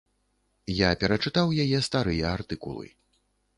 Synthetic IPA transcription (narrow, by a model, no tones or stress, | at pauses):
japʲɛɾɐt͡ʂɨt̪awjajɛst̪aɾɨjɛart̪ɨkṵlˠɨ̰